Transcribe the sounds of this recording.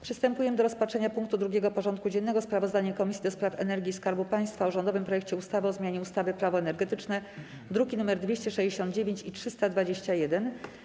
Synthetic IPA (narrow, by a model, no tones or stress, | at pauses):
pʂɘst̪ɛmpujɛmd̪ɔɾɔspatʂɛɲapuŋk̚t̪ud̪ɾuɡʲjɛɡɔpɔʐɔnt̪̚kud͡ʑɛnːɛɡɔspɾavɔzd̪aɲakɔmʲisʲid̪ɔspɾafɛnɛɾɡʲiskaɾbupaj̃st̪fauʐɔnd̪ɔvɘmpɾɔjɛk̚t͡ɕɛust̪avɘɔzmʲjaɲɛust̪avɘpɾavɔɛnɛɾɡɛt̪ɘt͡ʂnɛ | d̪ɾuɡʲinumɛɾd̪vʲeɕt͡ɕɛʂɛjd͡ʑeɕɔnd̪̚d͡ʑevʲjeɲt͡ɕitʂɘst̪ad̪vad͡ʑeɕt͡ɕajɛd̪ɛn